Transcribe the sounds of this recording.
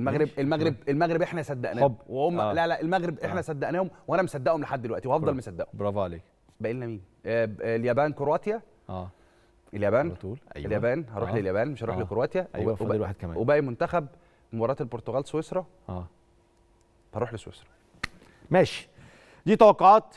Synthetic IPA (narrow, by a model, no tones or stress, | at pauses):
elmæɣɾebelmæɣɾebelmæɣɾebʔeħnæsæd̪ːæʔnæwehomælælæʔelmæɣɾebʔeħnæsæd̪ːæʔnæːhomwʔænæmesæd̪ːæʔhomleħad̪ːelwæʔt̪iwhɑfˤɑlmæsæd̪ːæ̰ʔhobɾˤɑfʕleːk | bæʔelːnːæmiːn | ljæbæːnkoɾowæːt̪jæ | ʔæː | eljæbæːnt̪uːlʔæjeljæbæːnhɑɾuːħleljæbæːnmeʃhɑɾuːħlekoɾowæːt̪jææ̰welwaħed̪kæmæ̰webæʔæmont̪æxæb̚ | mobɑɾˤɑːt̪elboɾt̪oɣæːlswesɾˤɑ | ʔæː | hɑɾˤuːħleswḛsɾˤɑ̥ | mæːʃi̥ | d̪iːt̪ɑwɑqːoʕɑːt̪